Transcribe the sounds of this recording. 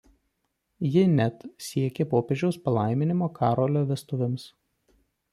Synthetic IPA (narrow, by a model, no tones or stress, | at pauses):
jɪnʲɛt̪sʲiɛkʲepoːpʲeʒʲɛʊspɐlˠɑɪmʲɪnʲɪmoːkʰɑːɾoːlʲoːʋʲɛst̪ʊʋʲɪms